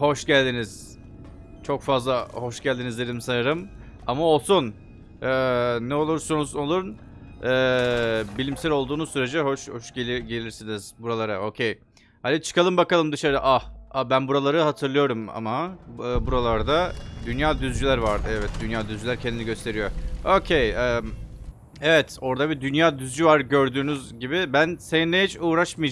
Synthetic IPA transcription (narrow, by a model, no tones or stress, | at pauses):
ho̞ʃɟælʲd̪iniz̥ | t͡ʃʰo̞kfazlˠaho̞ʃɟælʲd̪inizʲeɾimsanɯɾɯm | amao̞lˠsun | ɯːnɛo̞lˠuɾsonuzolˠuɾn | ɯːbilʲimsælʲo̞lˠd̪uːnuzsyɾe̞d͡ʒɛɦo̞ʃhoʃɟelʲiɟe̞lʲiɾsiniz̥buɾalˠaɾao̞cʰej | had̪it͡ʃʰɯ̥kalˠɯmbakalˠɯmd̪ɯʃaɾɯʔahabænbuɾalˠaɾɯɦat̪ʰɯɾlˠɯjo̞ɾuma̰maɯːbuɾalˠaɾd̪ad̪ynjaːd̪yzd͡ʒylʲæɾvaɾɛvɛt̪̚d̪ynjaːd̪yzd͡ʒylʲæɾcʰend̪iniɟø̞st̪ʰe̞ɾijo̞o̞cʰejɛː | evɛt̪ʰo̞ɾd̪abid̪ynjaːd̪yzd͡ʒyvaɾɟø̞ɾd̪yːnyzɟibibænsenineɦit͡ʃuːɾaʃmɯj